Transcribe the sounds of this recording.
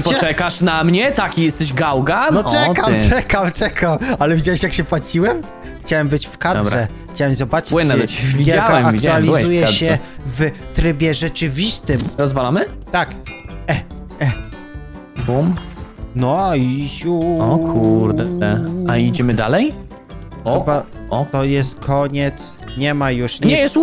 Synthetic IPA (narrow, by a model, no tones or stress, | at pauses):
pɔɛkaʂnamɲɛt̪akʲijɛst̪ɛɕɡawɡanɔɛkat͡ʂɛkamt͡ʂɛkʰamalɛvʲid͡ʑawɛɕjakɕɛpwat͡ɕiwɛm | xt͡ɕawɛmbɘt͡ɕfkad̪ɾɛ | xt͡ɕawɛmzɔbat͡ʂwɪnːɛvʲiɡʲɛaaɛmakiualʲizzujɛɛvt̪ɾɘbʲjɛʐɛt͡ʂɘvʲist̪ɘmɾɔzvalamɘt̪akɛ | ɛ | bumnɔiɕuɔkʰuɾd̪ɛɛaid͡ʑɛmɘd̪a̰lɛj | xɔɔbaɔt̪ɔjɛst̪̚kʰɔɲɛt̪s | ɲɛmajuʂɲɲiɛjɛst̪